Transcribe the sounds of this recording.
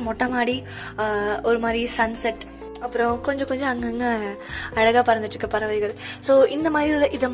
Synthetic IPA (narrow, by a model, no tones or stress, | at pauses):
mɔʈːɐmaːɽi | ɔɾɯmaːd̪ɾisɐnsɐʈ | ɐpːɯɾõkɔɲd͡ʒɔ̃kɔɲd͡ʒɔ̃ɐŋɡɐŋɡɐɐɻɐɣaːpɐɾɐnd̪ɪʈːɾɯkːɐpɐɾɐʋɐɪɣɐɭsoːʔɪnd̪ɐmaːd̪ɾiɪlːɐʔɪðɐm